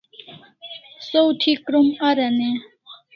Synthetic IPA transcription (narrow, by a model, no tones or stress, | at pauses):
sowtʰikɾumɐɾɐne